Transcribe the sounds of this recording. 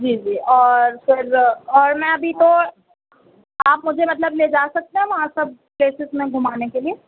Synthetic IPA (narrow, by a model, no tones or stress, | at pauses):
d͡ʒiːd͡ʒiːɔːɾfɪɾɔːɾmɛ̃ɐbʱit̪o | aːpmʊd͡ʒʱemɐt̪̬ləbled͡ʒaːsɐk̚t̪eɦɛ̃ʋɐɦãsɐb̚pleːsɪzmẽɡʱʊmaːnekelieː